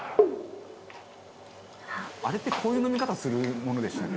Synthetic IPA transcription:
aɾe̞t̪ːe̞kʰo̞ːjɯ̟ːno̞mʲikat̪asɨɾɯ̟mo̞no̞d̪e̞ɕi̥t̪ake

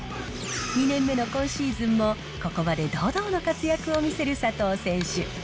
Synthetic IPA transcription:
ɲ̟inẽ̞mːe̞no̞kõ̞ɰ̃ɕiːzɨ̃mːo̞ | ko̞ko̞βad̪e̞d̪o̞ːd̪o̞ːno̞kat͡sɨjakɯ̟omʲise̞ɾɯ̟sat̪o̞ːsẽ̞ɰ̃ɕɨ

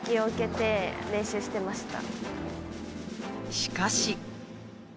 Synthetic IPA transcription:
kʲio̞ɯ̟ke̞t̪e̞ɾẽ̞ɕɨːɕi̥t̪e̞maɕi̥t̪a̰ | ɕi̥kaɕi

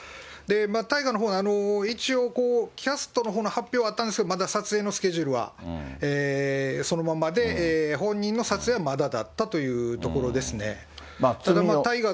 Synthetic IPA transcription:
d̪e̞mat̪aiɡanoɦoːnano̞it͡ɕio̞ko̞ːkʲasɨ̥t̪o̞no̞ɦoːnhapʲːjo̞ːβat̪ːaneskedomad̪asat͡sɨe̞ːno̞sɨ̥kʲe̞ʑɯɾɯ̟βa̰eːso̞no̞mamad̪e̞ːɦõ̞ɲ̟ːĩnːo̞sat͡sɨe̞ːβamad̪ad̪a̰t̪ːat̪o̞jɯ̟ːt̪o̞ko̞ɾo̞d̪e̞sɨne̞̰ | aad̪amat̪aiɡa

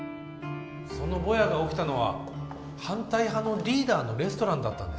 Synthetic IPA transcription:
so̞no̞bo̞jaɡao̞kʲi̥t̪ano̞βa̰ | hãnt̪aiɦano̞ɾʲiːd̪aːno̞ɾe̞sɨ̥t̪o̞ɾãnd̪at̪ːã̰nd̪e̞s

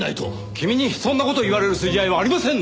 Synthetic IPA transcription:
a̰it̪o̰ | kʲimʲiɲ̟iç̥sõnːakot̪o̞iβaɾe̞ɾɯ̟sɨʑiaiβaːɾʲimasẽ̞nː

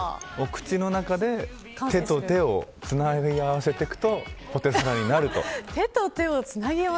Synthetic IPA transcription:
o̞kɯ̟̥t͡ɕino̞nakad̪e̞ | t̪e̞t̪o̞t̪e̞o̞t͡sɨnaiaβase̞t̪e̞kɯ̟̥t̪o̞po̞t̪e̞saɾaɲ̟inaɾɯ̟t̪o̞̰t̪e̞t̪ot̪e̞ot͡sɨnaɡʲia

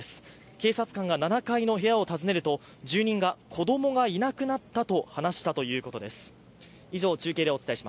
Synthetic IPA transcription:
sɨ̥ | ke̞ːsat͡sɨ̥kãŋɡananakaino̞ɦe̞jao̞t̪azɨne̞ɾɯ̟t̪o̞ | d͡ʑɨːɲ̟ĩŋɡakʰo̞d̪o̞mo̞ɡainakɯ̟nat̪ːat̪o̞hanaɕi̥t̪at̪o̞jɯ̟ːko̞t̪o̞d̪e̞sɨ̥ | iʑo̞ːt͡ɕɨːke̞ːd̪eo̞t͡sɨ̥t̪aeiɕima

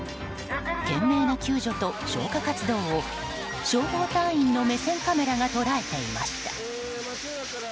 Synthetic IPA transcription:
k̪ẽ̞mːe̞ːnokʲɨːʑo̞t̪o̞ɕo̞̰ːkakat͡sɨd̪o̞ːo | ɕo̞ːhoːt̪ãɰ̃ĩnːo̞me̞sẽ̞ŋkame̞ɾaɡat̪o̞ɾae̞t̪e̞ima̰ɕi̥t̪ḁ

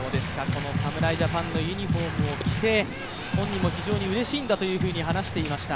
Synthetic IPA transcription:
oːd̪e̞sɨ̥kako̞no̞samɯ̟ɾaiʑapãnːo̞jɯ̟ɲ̟iɸo̞ːmɯ̟o̞kʲi̥t̪e̞ | hõɲ̟ːimo̞çiʑo̞ːɲ̟iɯ̟ɾe̞ɕĩːnd̪at̪o̞jɯ̟ːɸɯ̟ːɲ̟iɦanaɕi̥t̪e̞imaɕi̥t̪a

